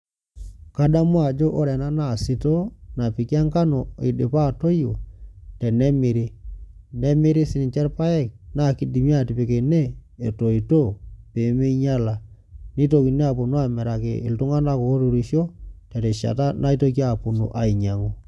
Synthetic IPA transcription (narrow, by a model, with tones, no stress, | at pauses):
ka˦da˦mwa˨d͡ʒo˦ʔɔ˦ɾɛ˨na˦na˦˨sɪ˨to˦na˨pi˨ka˦ŋka˦no˨ɪ̰˨dɪ˨pa˦˨to˦jo˨tɛ˨nɛ˦mɪ˨ɾi˦nɛ˦mɪ˦ɾɪ˦sɪ˨n˨t͡ʃɛ˦ɾpa˦ɛ˦˨k̚na˦˨ki˦di˨mi˦a˦˨ti˨pɪ˨ke˨neː˦˨to˨i˨to˦˨pe˨˦me˦ɲa˦la˨ | ni˦to˨ki˨ne˦a˨pʊ˨no˦a˨mɛ˨ɾa˨kḛ˨ɪ̰˨ltʊ˦ŋa˦na˦koː˨˦tu˨ɾi˨˦ʃɔ˦tɛ˨tɛ˨ʃa̰˨ta˦nʔa˦i˦to˦k̬ja˨pʊ˨no̰˨ʔa˨i˨ɲa˨ŋo˦